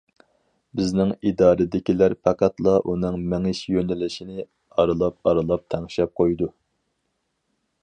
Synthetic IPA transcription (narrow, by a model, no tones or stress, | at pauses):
bɪznɪŋid̪ɑːɾɨd̪ɪkʲilæɾpʰɑqʰɑt̪lˠɑʔunɨŋmɛŋɪʃjønɪlɪʃinɪ | ɑɾɨlˠɑp̚ɑɾɨlˠɑp̚t̪ʰɛŋʃɛp̚qʰojd̪u